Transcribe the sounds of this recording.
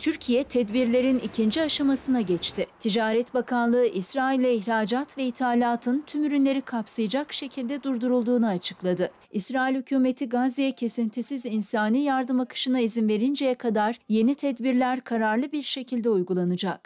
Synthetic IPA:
t̪ʰyɾcʰijɛt̪ʰɛd̪biɾlʲe̞ɾinicʰind͡ʒiaʃamasɯnaɟɛt͡ʃt̪ʰɪt̪ʰid͡ʒaːɾɛt̪bakʰanlˠɯɯʔisɾaːilʲːɛiçɾaːd͡ʒat̪vɛit̪ʰaːlʲaːt̪ʰɯnt̪ʰymyɾynlʲe̞ɾikʰapsɯjɯd͡ʒakʃe̞cʰilʲd̪ɛd̪uɾd̪uɾulˠd̪uːnuat͡ʃʰɯ̥klˠad̪ɯ | isɾaːilʲhycʰuːme̞t̪ʰiɡazijɛcʰe̞sint̪ʰisizinsaːniːjaɾd̪ɯmakʰɯ̥ʃɯnaizinve̞ɾind͡ʒejɛkʰad̪aɾje̞nit̪ʰɛd̪biɾlʲæɾkʰaɾaɾlˠɯbiɾʃe̞cʰilʲd̪ɛujɡulˠanɯd͡ʒak

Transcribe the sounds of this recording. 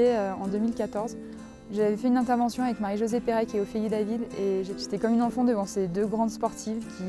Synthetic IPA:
eøɑ̃d̪ømilkat̪ɔʁz | ʒavɛfɛynɛ̃t̪ɛʁvɑ̃sjɔ̃avɛkmaʁiʒozɛpeʁɛkʲiɛofijid̪lavileʒepysi̥t̪ekɔmynɑ̃fɑ̃d̪əvɑ̃sed̪øɡʁɑ̃d̪spɔʁt̪ʰivkʲi

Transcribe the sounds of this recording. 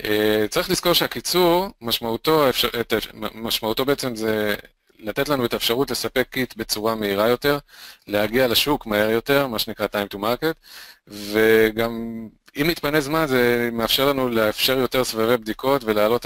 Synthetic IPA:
et͡saʁiχlisko̞ʁʃeakit͡suʁmaʃmauto̞efʃaetmaʃmaut̪o̞beet͡se̞mze | late̞tlanuetaefʃaʁutle̞sape̞kːit̪be̞t͡suʁameiʁajo̞te̞ʁle̞haɡialaʃukmae̞ʁjo̞te̞ʁmaʃenikʁatajmtumaʁket̪ve̞ɡam | imnit̪pane̞zmanzemeafʃeʁlanulefʃe̞ʁjo̞te̞ʁsvavebd̪iko̞tve̞lealo̞t

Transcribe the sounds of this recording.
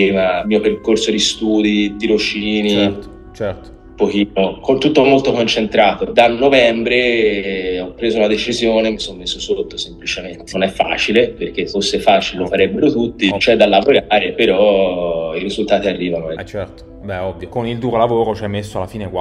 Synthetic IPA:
imamiːoperkorsod̪ist̪uːd̪id̪iɾot͡ʃiːni | t͡ʃɛrto̥ | pːok̟iːnokont̪ut̪ːoɔmːolt̪okont͡ʃent̪ɾaːt̪od̪anːovɛmbɾe | ɔpːɾeːzounad̪et͡ʃizjoːnemisommːesːosot̪ːosemplit͡ʃement̪enonɛfːa̰ːt͡ʃileperk̟efːosːefaːt͡ʃilelofaɾɛbːeɾot̪ut̪ːit͡ʃoɛd̪alːavoɾaːɾepeɾɔ | iɾizult̪aːt̪iarːiːvanoɛɛt̪ | bɛɔbːjokonild̪uːɾolavoːɾot͡ʃɛmesːoalafiːnekwa

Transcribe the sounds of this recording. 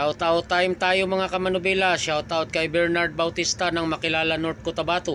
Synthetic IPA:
awt̪aʔʊt̪ːajmt̪aːjomɐŋakɐmɐnʊbɛlaʃawt̪aʔot̪̚kɐjbɛɹnaɾd̪̚bawt̪ist̪anɐŋmɐkɪlaːlanoɾt̪̚kot̪ɐbaːt̪o

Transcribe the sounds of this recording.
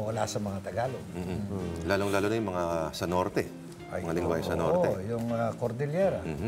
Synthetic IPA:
wɐla̰sɐmɐŋat̪ɐɡaːlom̩ːhlaːloŋlaːlonɐjʊmɐŋasɐnoɾt̪ɛ | ɐjɐŋalɪŋwajsɐnoɾt̪ɛjʊŋɐkoɾd̪ɪljɛɾɐ

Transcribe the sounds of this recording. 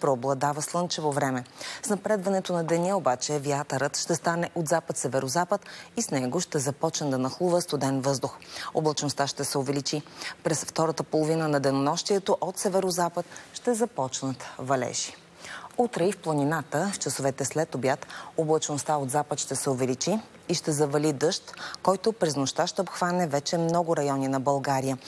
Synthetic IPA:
pɾɔblˠɐd̪avəslˠɤnt͡ʃɛvovɾɛmɛsnɐpɾɛd̪vɐnɛt̪onɐd̪ɛnəobat͡ʃɛvjat̪əɾət̪ʃt̪ɛst̪anɛʔod̪zapət̪sɛvɛɾozapət̪isnɛɡoʃt̪ɛzɐpɔt͡ʃnəd̪ɐnɐxlˠuvəst̪ʊd̪ɛnvɤzd̪ʊxo̰blˠɐt͡ʃnost̪aʃt̪ɛsɛovɛlit͡ʃipɾɛsft̪ɔɾət̪əpolˠovinənɐd̪ɛnonɔʃt̪iɛt̪oʔot̪sɛvɛɾozapət̪̚ʃt̪ɛzɐpɔt͡ʃnət̪vɐlɛ̰ʃi̥ | ut̪ɾɛifplˠɐninat̪əft͡ʃɐsovɛt̪ɛslɛt̪objat̪oblˠɐt͡ʃnost̪aod̪zapət̪ʃt̪ɛsɛovɛlit͡ʃiː | ʃt̪ɛzɐvɐlid̪ɤʃt̪kɔjt̪ʊpɾɛznoʃt̪aʃt̪ɛopxvanɛvɛt͡ʃɛmnɔɡʊɾɐjɔninɐbɐlˠɡaɾijə

